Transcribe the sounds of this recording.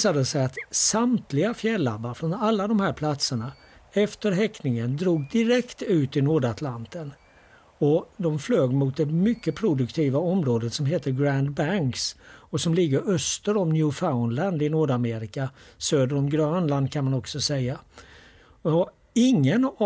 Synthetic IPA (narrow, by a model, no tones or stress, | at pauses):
sad̪əsɛjat̪samt̪ʰlɪɡafjɛlːa̰bːaɾfɾɔnalːad̪ɔmhæːɾpʰlat̪səɳa | ɛft̪əɾɦɛknɪŋənd̪ɾuːɡ̚d̪ɪɾɛkt̪ʉ̟ːt̪ɪnoːɖat̪ʰlant̪ən | ɔd̪ɔmfløːɡmʊt̪̚d̪ɛmʏkːəpʰɾʊd̪ɵkt̪ʰiːvaɔmɾoːd̪ət̪sɔmɦeːt̪əɾɡɾand̪bæŋksɔsɔmlɪɡːəɾœst̪əɾɔmnjʉːfaʊnland̪ɪnuːɖameːɾɪkasøːd̪əɾɔmɡɾœːnland̪̚kʰanmanɔksɔsɛjːa | ɔ | ɪŋːən